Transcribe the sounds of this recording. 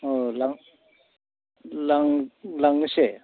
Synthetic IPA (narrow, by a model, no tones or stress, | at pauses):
olaŋ | laŋlaŋɯse